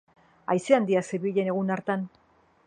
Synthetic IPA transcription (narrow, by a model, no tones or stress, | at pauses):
a̰jseand̪iaseɾβiʎe̞ne̞ɣunaɾt̪an